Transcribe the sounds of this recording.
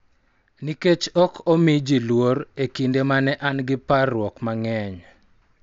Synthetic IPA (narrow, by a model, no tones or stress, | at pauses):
niket͡ʃɔkʰɔmid͡ʒilwoɾekindemanɛʔanɡɪparːwɔkmaŋɛɲ